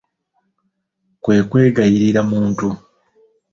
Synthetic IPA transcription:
kwe̞ːkwe̞ːɡajiɾiɾamuːntu

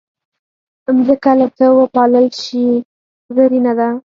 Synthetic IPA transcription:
amd̪akalat̪əwəpɑləlʃi | zaɾinad̪a

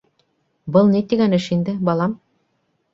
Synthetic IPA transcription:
bɤlˠnit̪iɡænɘʃind̪ɘ̆bɑlˠɑm

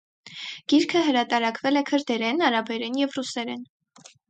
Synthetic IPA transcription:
ɡ̥iɾkʰəɦəɾɑt̪ɑɾɑkʰvɛlɛkʰəɾd̪ɛɾɛnɑɾɑbɛɾɛnjɛvrusɛɾɛn

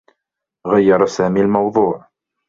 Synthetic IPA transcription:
ɣajːɑɾˤɑsaːmiːalmɑwðˤuːʕ

